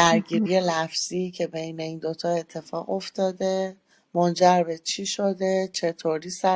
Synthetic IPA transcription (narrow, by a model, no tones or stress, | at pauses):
æɾɡiːɾije̞læfz̥iːcʰe̞be̞jne̞iːnd̪o̞t̪ʰɒe̞t̪ʰːe̞fɒːɣo̞ft̪ɒːd̪e̞ | mond͡ʒæɾbe̞t͡ʃʰiʃod̪e̞t͡ʃʰe̞t̪ʰoɾiːsæ